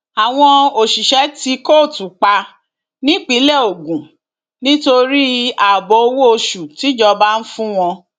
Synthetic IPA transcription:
a˨w̃ɔ̃˧o˨ʃi˨ʃɛ˨˦ti˧ko˦˨tu˨k͡pa˧ | nĩ˦k͡pi˨˦lɛ˦˨o˨ɡũ˨ | nĩ˦to˧ɾi˦a˨bo˨˦o˧wo˦o˧ʃu˨ti˨˦d͡ʒɔ˧ba˦n̩˦fũ˦w̃ɔ̃˧

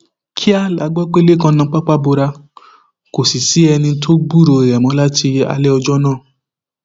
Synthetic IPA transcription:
kʰi˦a˦la˨˧˦ɡ͡bɔ˦k͡pe˦le˦kã˧nã˧˦k͡pa˦k͡pa˦bo˧ɾa˧ | ko˨si˨si˨˦ɛ˧nĩ˧tʰo˦ɡ͡bu˦˨ɾo˧i˨ɾɛ˨mɔ̃˧˦la˦tʰi˧a̰˧lɛ˦ɔ˧d͡ʒɔ˦nãː˦˨

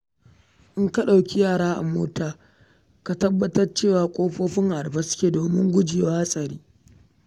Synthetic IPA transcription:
ʔɪ˦ŋka˦ɗa˨wkʲi˦jaː˦˨ɽaː˦ʔa̰˨mo̰ː˦taː˨ | ka˨tɐ˦bːɐ˦tɐ˦rt͡ʃeː˦˨waː˨kʷʼoː˦ɸoː˦ɸɪ˦ŋʔa˨ɽɸa˦sʊ̥˦kʲeː˨doː˨mɪ˦ŋɡʷʊ˦d͡ʒeː˨waː˦sʼɐ˨ɾiː˦

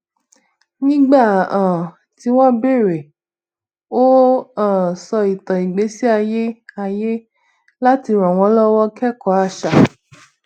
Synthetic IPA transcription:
nĩ˦ɡ͡ba˦˨ã˨ | ti˨˦w̃ɔ̃˦be˦˨ɾe˨ | o˦ã˦˨sɔ˧i˨tɔ̃˨i˨ɡ͡be˨˦si˦a˧je˦a˧je˦ | la˦ti˧ɾɔ̃˨w̃ɔ̃˨˦lɔ˦wɔ˦kɛ˦kɔ˨˦a˧ʃa˨

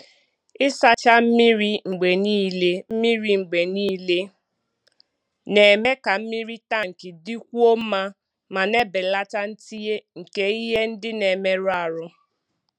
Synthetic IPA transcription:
ɪ˦sa˦t͡ʃa˦m̩˦mi˦ɾi˦ŋ͡m̩˨ɡ͡be˨niː˦le˦m̩˦mi˦ɾi˨ŋ͡m̩˨ɡ͡be˨niː˦le˦ | ne˨me˦ka˨m̩˦mi˦ɾi˦ta˦˨ŋ̩˨kɪ˨di˦kʷu˦o˦m̩˦ma˦ | ma˨ne˦bɪ˨la˦ta˦n̩˦ti˦je˦ŋ̩˨ke˦i˦ɦe˦n̩˦dɪ˦ne˨me˦ɾʊ˦a˨ɾʊ˦

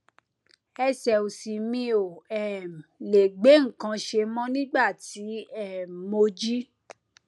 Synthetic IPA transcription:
ɛ˧sɛ˨o˨si˨mĩ˧˦o˨ɛ˨m˨le˨ɡ͡be˨˦ŋ̩˨kã˧ʃe˧mɔ̃˦nĩ˦ɡ͡ba˦˨ti˨˦ɛ˦˨m˨mo˧d͡ʒi˦

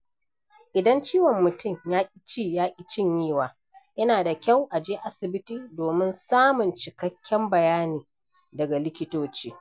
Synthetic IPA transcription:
ʔɪ˨dɐ˦nt͡ʃiː˦wɔ˨mːʊ˨tʊ˦mjaː˦ʔʲʼt͡ʃiː˦jaː˦ʔʲʼi˦t͡ʃɪ˦ɲjiː˦˨waː˨ | jɐ˦naː˨da˨kʲa˦˨wʔa˨d͡ʒeː˦ʔa˦sɪ˨bɪ˦tiː˨doː˨mɪ˦nsaː˦mʊ˨nt͡ʃɪ˨kɐ˦kʲːɛ˦mbɐ˨jaː˦niː˨ | dɐ˨ɡa˨lɪ˦kʲɪ˦toː˦t͡ʃiː˦

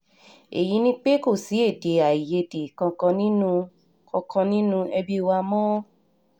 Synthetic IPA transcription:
e˨ji˨˦nĩ˦k͡pe˦ko˦˨si˨˦e˦˨de˨a˨i˨je˧de˨kã˧kɔ̃˧nĩ˦nũ˦ | kɔ̃˧kɔ̃˧nĩ˦nũ˦ɛ˧bi˧wa˧mɔ̃˦

